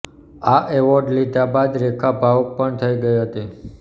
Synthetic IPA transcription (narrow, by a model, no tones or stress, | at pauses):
aʔɛʋɔɾɖlid̪abad̪ɾekʰabʱaʋok̚pəɳt̪ʰəiɡəjɦət̪i